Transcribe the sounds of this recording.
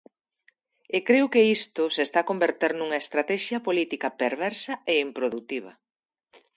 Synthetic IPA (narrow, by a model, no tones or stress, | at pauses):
ekɾewkeist̪ʊsest̪akombeɾt̪eɾnuŋɐest̪ɾat̪ɛʃjɐpolit̪ikɐpeɾβɛɾsɐeimpɾoðut̪iβ̞ɐ̰